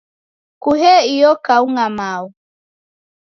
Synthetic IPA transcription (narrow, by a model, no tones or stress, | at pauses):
kuɦɛijɔkauŋamau